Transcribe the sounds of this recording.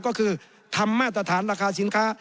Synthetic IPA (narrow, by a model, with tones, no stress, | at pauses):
kɔː˥˩kʰɯː˧ | t̪ʰa˧mːaː˥˩t̪̬̚ɾa˧t̪ʰaː˩˦nɾaː˧kʰaː˧si˩˦nkʰaː˦˥